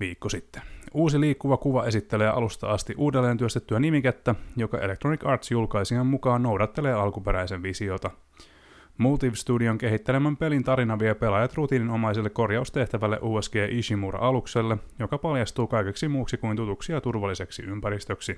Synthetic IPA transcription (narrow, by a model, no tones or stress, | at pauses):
ʋiːkːosit̪ːeuːsiliːkːuʋɑkuʋɑe̞sit̪ːe̞leːʔɑ̰lust̪ɑ̰ɑst̪iʔuːdelːe̞ːnt̪yøst̪et̪ːyænimiket̪ːæjo̞kɑʔe̞lek̚t̪ro̞nikɑːrt̪sjulkɑjsiɑmːmukɑːnno̞wdɑt̪ːe̞leːɑlkupeɾæjseʋʋisiot̪ɑ | mult̪iʋst̪udioŋke̞ɦit̪ːelemæmpe̞lint̪ɑɾinɑʋiepe̞lɑjɑt̪rut̪iːnino̞mɑjs̬elːekːo̞rjɑust̪e̞ht̪æʋælːeʔuːesɡ̥eːʔiʃimurɑ̰ʔɑlukselːejo̞kɑpɑljɑst̪uːkɑjkeksimuːksikuint̪ut̪uksiɑt̪urʋɑlːise̞ksḭympæɾist̪øksi